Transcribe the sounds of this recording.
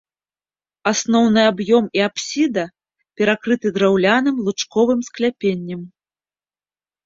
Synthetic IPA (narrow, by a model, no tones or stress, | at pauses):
asn̪ɔwnɨabjɔmiapsʲid̪ɐ | pʲɛɾakɾɨt̪ɨd̪ɾawlʲanɨmlˠut͡ʂkɔvɨmsklʲapʲenʲːɐm